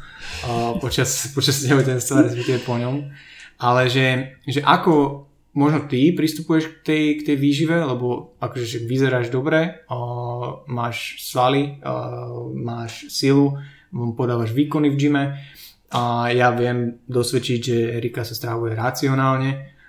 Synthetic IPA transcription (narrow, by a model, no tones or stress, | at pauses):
pɔt͡ʃaspɔt͡ʃasːcaɦuɛt̪ɛnst̪ʋaɾɛs̬pɛkt̪iʋɛpɔɲɔmalɛʒɛʒɛʔakɔ | mɔʒnɔt̪ipɾist̪upujɛʃk̚t̪ɛjkt̪ɛjʋiːʒiʋɛlɛbɔakɔʒɛʃaɡʋizɛɾaːʒd̪ɔbɾɛ | maːʃsʋali | maːʃsilu | mpɔd̪aːʋaʒʋiːkɔnivʒimɛ | ajaʋɪɛmd̪ɔsʋɛt͡ʃiɟʒɛɛɾikasast̪ɾaʋujɛɾat͡siɔnaːlɲɛ